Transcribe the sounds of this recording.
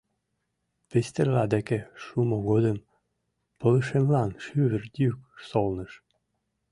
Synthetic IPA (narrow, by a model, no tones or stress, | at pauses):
pest̪erlɑd̪ekeʃumoɣod̪ə̆m | pɤ̆lˠɤʃemlɑnʃyβɘ̆rd̪ʲyksolˠnə̆ʃ